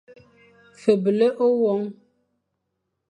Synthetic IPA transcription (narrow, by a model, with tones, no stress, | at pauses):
fə˨bə˨lə˦ʔo˦wɔ˨˦ŋ